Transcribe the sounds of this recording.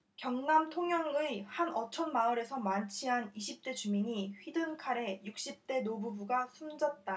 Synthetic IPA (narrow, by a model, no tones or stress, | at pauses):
kjʌŋnamtʰoŋjʌŋɯihanʌt͡ɕʰʌnmaɯɾe̞sʰʌmant͡ɕʰiɦaniɕʰip̚t͈e̞t͡ɕumiɲiɸɥidɯnkʰaɾe̞juk̚ɕ͈ip̚t͈e̞nobubuɡasʰumd͡ʑʌt̚t͈a